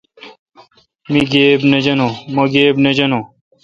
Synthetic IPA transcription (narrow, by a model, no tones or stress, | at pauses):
miɡeːbned͡ʑɐnomɐɡeːbnɐd͡ʑɐno